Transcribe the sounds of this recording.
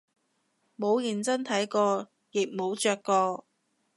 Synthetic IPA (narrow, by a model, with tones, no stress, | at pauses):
mo˨˧wji˨˩nt͡sɐ˥nt̪ʰɐ˨˥jkɔː˧ | jɪ˨k̚mo˨˧wt͡ʃœː˧kːɔː˧